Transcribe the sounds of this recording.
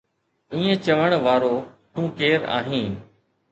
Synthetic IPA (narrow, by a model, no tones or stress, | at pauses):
ĩːẽt͡ɕəʋəɽ̃ʋaːɾoːʈũːkeːɾa̰ːɦĩː